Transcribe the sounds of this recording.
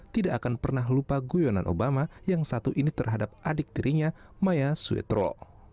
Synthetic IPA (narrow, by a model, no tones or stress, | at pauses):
t̪idaʔːkanpərnaɦlupaɡujona̰nʔo̰bamajaŋsat̪uʔinit̪ərɦadap̚ʔadik̚diɾʔiɲamajasuḛt̪ɾo̰